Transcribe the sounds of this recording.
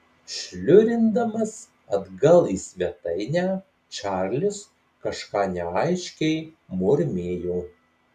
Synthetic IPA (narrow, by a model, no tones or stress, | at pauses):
ʃʲlʲʊɾʲɪnd̪ɐmɐs | ɐd̪ɡɐlˠiːsʲʋʲiɛt̪ɐɪnʲæː | t͡ʃʲæːɾʲlʲʊs | kɐʃkɑːnʲɛɐɪʃʲkʲɛɪmʊɾʲmʲeːjuː